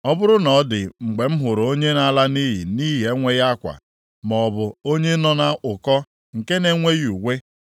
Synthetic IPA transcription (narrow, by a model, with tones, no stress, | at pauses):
ɔ˦bʊ˦ɾʊ˦nɔ˨˦dɪ˨ŋ͡m̩˨ɡ͡be˨m̩˦ɦʊ˨ɾʊ˨o˦ɲe˦na˦la˦ni˦ɦḭ˨ni˦ɦe˨˦ŋʷe˦ɣa˦kʷa̰˨ | mɔ˨bʊ˨o˦ɲe˦nɔ˦na˦ʔʊ˨kɔ˦ | ŋ̩˨ke˦ne˨ŋʷe˦ju˨ɡʷe˦